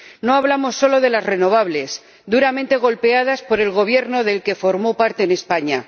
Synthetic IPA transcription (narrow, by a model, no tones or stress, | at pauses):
no̞aβ̞lamo̞sːo̞lo̞ðe̞lazre̞no̞β̞aβ̞le̞s | d̪uɾament̪e̞ɣ̞o̞lpe̞að̞aspo̞ɾe̞lɣo̞β̞je̞ɾno̞ðe̞lke̞fo̞ɾmo̞paɾt̪e̞ːne̞spaɲa